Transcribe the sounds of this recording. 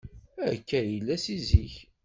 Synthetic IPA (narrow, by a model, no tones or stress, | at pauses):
æ̰kːæɾjəlːæsiziç